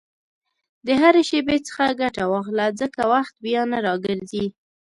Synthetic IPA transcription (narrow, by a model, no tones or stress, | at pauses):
d̪əɦaɾeʃebet͡sə̥xaɡaʈawɑxlazəkawaxt̪̚bjɑnaɾɑɡəɾzi